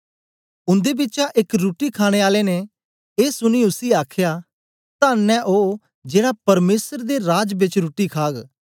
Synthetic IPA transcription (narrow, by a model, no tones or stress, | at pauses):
ʊ̃nd̪eːbɪtːt͡ʃaʔɪkɾuːʈikʰaːɽ̃eːaːleːne | eːsʊniʊsiːaːkʰjaː | t̪ãːnːɛ̃ʔoː | d͡ʒeːɽapɐɾmeːsəɾd̪eɾaːd͡ʒbɪt͡ʃɾuːʈikʰaːɡ